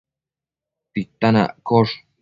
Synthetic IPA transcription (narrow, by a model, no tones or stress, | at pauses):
t̪it̪ana̰ʔkoʂ